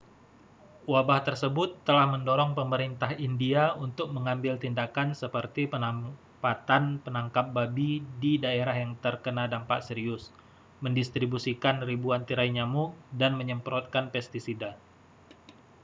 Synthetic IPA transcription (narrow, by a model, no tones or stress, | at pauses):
wabaht̪ərsəbʊt̪ːəlahməndoɾɔŋpəməɾint̪aɦindiaunt̪ʊk̚məŋambɪlt̪indakansəpərt̪iəna | pat̪anpənaŋkap̚babididaeɾaɦjaŋt̪ərkənadampa̰ʔsəɾiʊs | məndist̪ɾibusikanribuant̪iɾaiɲamudanməɲəmpəɾɔt̪̚kanpɛst̪isida